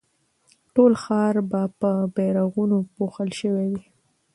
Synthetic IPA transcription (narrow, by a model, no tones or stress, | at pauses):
ʈolxɑɾbapəbeɾaɣunopoxəlʃəwewi